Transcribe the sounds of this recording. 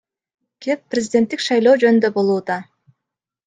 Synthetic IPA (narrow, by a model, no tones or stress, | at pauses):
kepːrʲɪzʲɪdʲe̞nt̪ːikʃɑjlˠo̞ːd͡ʒø̞nynd̪øbo̞lˠuːd̪ɑ